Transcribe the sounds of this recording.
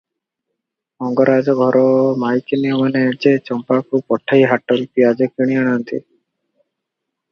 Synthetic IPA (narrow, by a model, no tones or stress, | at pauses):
mɔŋɡɔɾad͡ʒɔɡʱɔɾɔmajkiniɔmaned͡ʒet͡ʃɔmpakupɔʈʰːajɦaʈɔɾipiad͡ʒekiɽ̃iaɽ̃ant̪ḭ